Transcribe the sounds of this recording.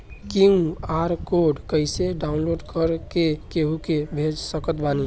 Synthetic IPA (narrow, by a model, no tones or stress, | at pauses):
kiũaɾkoɖkəɪseɖaunloɖkəɾkekeɦukebʱed͡ʒsəkət̪bani